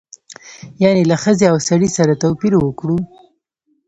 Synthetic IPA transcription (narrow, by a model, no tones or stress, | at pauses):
janelaxəzeawsaɽisaɾat̪awpiɾwəkɽu